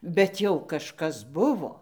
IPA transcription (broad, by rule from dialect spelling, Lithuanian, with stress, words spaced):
bʲɛt ˈjɛʊ kɐʃˈkɐs ˈbʊʋoː